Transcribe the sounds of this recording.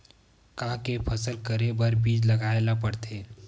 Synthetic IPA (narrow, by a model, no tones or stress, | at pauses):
kãːkepʰəsəlkəɾebəɾbiːd͡ʒlɐɡaelapəɽt̪ʰeː